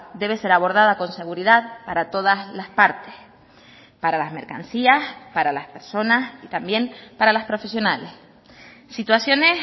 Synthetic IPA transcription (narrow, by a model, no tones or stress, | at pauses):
d̪e̞β̞e̞se̞ɾaβ̞o̞ɾð̞aðako̞nse̞ɣ̞uɾiðaðpaɾat̪o̞ð̞aslaspaɾt̪e̥s | paɾalazme̞ɾka̰nsiaspaɾalaspe̞ɾso̞nasit̪ambje̞mpaɾalaspɾo̞fe̞sjo̞nales | sit̪wasjo̞ne